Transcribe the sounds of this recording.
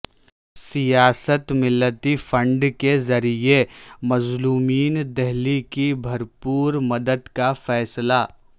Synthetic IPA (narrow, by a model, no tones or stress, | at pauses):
sijaːsət̪mɪlːət̪ifɐ̃ɳɖkezɐɾiemɐzluːmiːnd̪ɛɦlikibʱɐɾpuːɾmɐd̪əd̪kafɛːslaː